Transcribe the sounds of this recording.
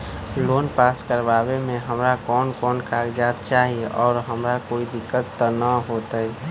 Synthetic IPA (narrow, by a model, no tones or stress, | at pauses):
loːnpaːskəɾʋaːwemẽɦəmɾakɔːnkɔːnkaːɡd͡ʒaːt̪̚t͡ʃaːɦieʔɔːɾɦəmɾakoːid̪ɪkːət̪ːənəɦoːt̪aɛ